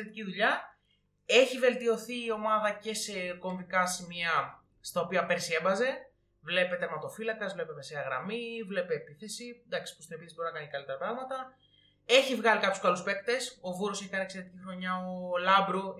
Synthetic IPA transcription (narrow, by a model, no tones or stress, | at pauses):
ɾet̪iciðuʎɐ | e̞çive̞lt̪io̞θiːo̞mɐðɐce̞seko̞ɱvikɐsimiɐ | st̪ɐopiɐpe̞ɾsiebɐze̞ | vle̞pe̞t̪eɾmɐt̪o̞filɐkɐzvle̞pe̞meseɐɣɾɐ̰mivle̞peːpiθe̞sid̪ɐksi̥pu̥st̪ine̞piθesbo̞ɾinɐkɐncekɐlit̪eɾɐpɾɐɣmɐt̪ɐ | e̞çivɣɐlikɐpju̥skɐluspe̞k̚t̪e̞so̞vuɾoseçkɐniekseɾet̪icixɾo̞ɲɐolɐbɾu